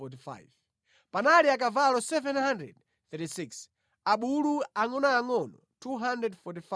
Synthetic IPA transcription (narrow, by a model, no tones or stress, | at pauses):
ɔtifa̰jv | panaliak̬avalɔsɛvɛnhandɾɛ̰d̚ | θɛtisiks | aɓuluaŋɔnaːŋɔnɔtʰuɦandɾɛdfɔtifa